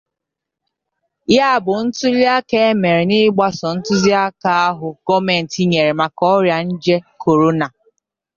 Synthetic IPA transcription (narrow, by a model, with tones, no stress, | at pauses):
ja˦a˨bʊ˨n̩˦tʊ˦li˦a˦ke˦me˨ɾe˨nɪ˦ɡ͡ba˦sɔ˨n̩˦tʊ˦zi˦a˦ka˨a˦ɦʊ˨ɡ̥ɔ˦me˨n̩˨ti˦ɲe˨ɾe˨ma˨kɔ˦ɾja˨n̩˦d͡ʒe˦kʰo˨ɾo˦na˨